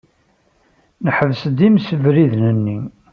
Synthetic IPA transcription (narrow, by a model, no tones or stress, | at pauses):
nəħəvsd̪imsəvɾiðnənːi